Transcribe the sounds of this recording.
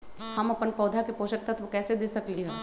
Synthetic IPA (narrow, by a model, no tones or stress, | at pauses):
ɦɐmɐpənpɐːd̪ʱakepoːʃək̚t̪ɐt̪ʋokɛːsed̪eːsɐkliɦɛ̃ː